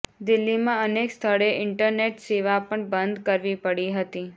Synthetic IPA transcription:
d̪ɪlːimãənekst̪ʰəɭeʔɪɳʈəɾneʈseʋapəɳbənd̪kəɾʋipəɽiɦət̪i

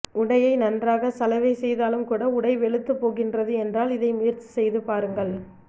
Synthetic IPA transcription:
ʊɽɐjɐɪnɐndraːɣɐsɐlɐʋɐɪsɛjðaːlɯmkuːɽɐʊɽɐɪʋɛɭɯt̪ːɯpːoːɣɪndrɐðɯɛndraːlɪðɐɪmʊjɪɾt͡ʃːi̥sɛjðɯpaːɾɯŋɡɐɭ

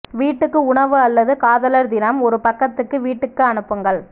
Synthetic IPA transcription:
ʋiːʈːɯkːɯʊɳɐʋɯɐlːɐðɯkaːðɐlɐɾd̪ɪnɐmɔɾɯpɐkːɐt̪ːɯkːɯʋiːʈːɯkːɯɐnɯpːɯŋɡɐɭ

